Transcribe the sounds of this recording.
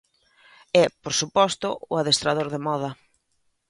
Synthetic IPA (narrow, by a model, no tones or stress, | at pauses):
ɛpoɾsupɔst̪ʊʊaðest̪ɾaðoɾðemɔð̞ɐ